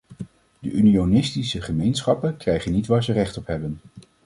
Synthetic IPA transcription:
dəʔynionɪstisəχəmejnsχɑpənkrɛjχənitʋaːɹzərɛχtɔpɦɛbən

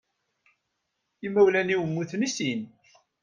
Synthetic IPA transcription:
imæwlæniwəmːuθnisin

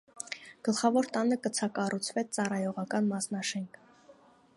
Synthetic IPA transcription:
ɡ̥əlχɑvɔɾt̪ɑnəkət͡sʰɑkɑrut͡sʰvɛt͡sɑrɑjɔʁɑkɑnmɑsnɑʃɛŋkʰ

